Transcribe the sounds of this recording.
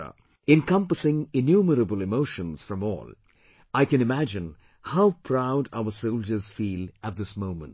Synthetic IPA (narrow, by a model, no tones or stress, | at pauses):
ɨ̃nkʌ̃mpəsɪ̃ŋɪnjuməɾəbəlˠɨmoʊʃə̃nz̥fɹʌ̃mɔ̰ːlˠ | aɪkɨ̃nɨmæd͡ʒɨ̃n | haʊpʰɹ̥aʊɾa̰ʊəsoʊlˠd͡ʒə˞z̥fiːlət̪̚ðɪsmõʊ̃mə̃nt